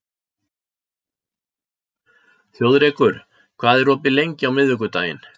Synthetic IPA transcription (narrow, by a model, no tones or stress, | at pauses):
θjowðɾɛːkʏɾ̥ | kʰvaːðɛɾɔːpɪlejɲcɪawmɪðvʏk̬ʏt̪a̰ːjɪ̰n